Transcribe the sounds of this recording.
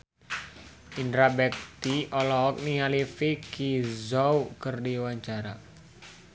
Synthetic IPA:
indɾabɛk̚t̪iɔlɔɦɔk̚nialifikizɔukərdiwaɲt͡ʃaɾa

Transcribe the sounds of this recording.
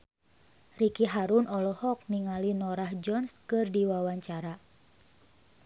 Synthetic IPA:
rikiɦaɾunɔlɔhɔk̚niŋalinɔɾahd͡ʒɔnskɨrdiwawaɲt͡ʃaɾa

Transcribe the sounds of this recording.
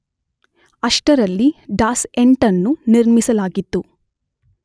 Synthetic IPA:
ɐʂʈɐɾɐlːiɖaːse̞ɳʈɐnːuniɾmisɐlaːɡit̪ːu

